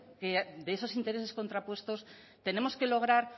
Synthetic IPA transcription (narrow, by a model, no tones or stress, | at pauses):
ked̪eeso̞sint̪e̞ɾe̞se̞sko̞nt̪ɾapwe̞st̪o̞s | t̪e̞ne̞mo̞ske̞lo̞ɣ̞ɾaɾ